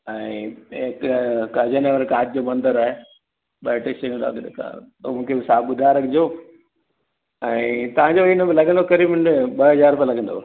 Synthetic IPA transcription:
ɛ̃ekkɐd͡ʑəneːʋəɾkaːtɪd͡ʑoːmɐ̃nd̪əɾaːɦe | ɓɐːʈɪsɐə̃nd̪̰k̪ː | mũːkʰebɪsaːbbʊd̪ʱaːɪɾɐɡʰɪd͡ʑo | ɛ̃ːt̪ɐʋ̤ãɲd͡ʑoinəbɪlɐɡʱə̃nd̪okɐɾiːbɪ̃ɓɐɦɐzaːɾpəlɐɡə̃nd̪o̰

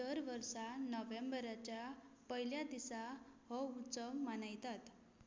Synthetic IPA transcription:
əɾʋəɾsanɔʋembəɾat͡ɕjapəɦiljad̪isahɔut͡səmːanajt̪at̪

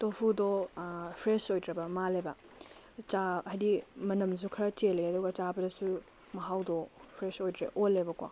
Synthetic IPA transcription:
topʰudopʰɾesojdɾɐbɐmalebɐ | t͡ʃaɦajdimɐnɐmz̬ukʰɐɾɐt͡ʃeleɐduɡɐt͡ʃabɐdɐsu | mɐɦawdɔpʰɾesojdɾḛʔolːebɐkwa̰

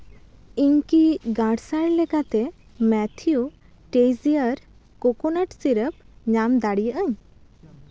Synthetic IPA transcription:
iɲkiɡaɖsaɾlɛkat̪ɛ | mɛt̪ʰiju | ʈejzijəɾ | kɔkɔnaʈsiɾəp̚ | ɲamd̪aɽijəʔəɲ

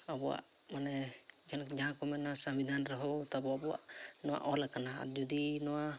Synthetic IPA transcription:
abɔa̰ʔ | manɛ | d͡ʒankd͡ʒaɦãkɔmɛnasãmbid̪ʱanɾɔɦɔwt̪abɔabɔwa̰ʔ | nɔwa̰ʔɔlakana̰d͡ʒud̪inɔwa

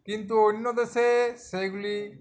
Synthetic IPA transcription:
kint̪uoɽinɔd̪eseseɡli

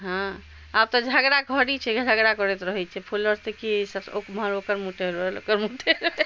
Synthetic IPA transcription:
ɦã | ab̚t̪ɔd͡ʒʱəɡɾakəɽit͡ʃʰɛɡʱd͡ʒʱəɡɾakɔɾɛt̪ɾəɦɛt͡ʃʰɛpʰuləɾt̪ekisəokməɾokəɾmuʈeɾəɦelo̰kəɾmuʈʰe

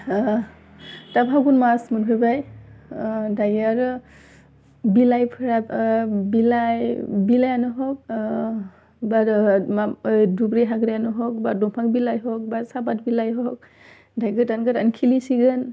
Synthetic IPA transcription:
tabʰaɡunmasmɯnpʰɯbaj | dajaɾ | bilajpʰɾabilajbilajanɯɦɔk̚ | bamadubɾiɦaɡɾejanɯɦɔk̚badɔŋpʰaŋbilajɦɔk̚basabat̚bilajɦɔk̚ | dajɡɯtanɡɯɾankʰilisiɡɯn

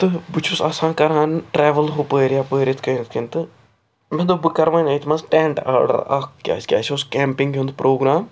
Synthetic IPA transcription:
t̪ɨbʊt͡ʃʰʊsasãːkəɾãːnʈɾɛːʋəlɦoːpəːɾiaːpəːɾit̪ʰkəːnt̪̚ʰkənt̪ɨ | mɛ̃ːd̪ʊbəkəɾʋãːɲãːit̪ʰmasʈɛ̃ːɳʈa̰ːɾɖə̰ɾa̰ːkkːja̰ːskʲa̰ːt͡ʃʰʊskɛ̃ːmpɪŋɡõnd̪pɾʔoːɡɾaːm

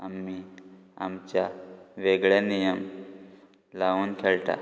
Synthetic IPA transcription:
əmːi | a̰mt͡ʃaʋeɡɭenijəm | launkʰelʈ̪a̰

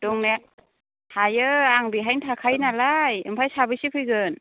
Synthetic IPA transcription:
d̥uŋnek̚ | hajɯaŋbiɦajntʰakʰajnalajɯ̰mpʰajsabɯsipʰɯjɡɯn

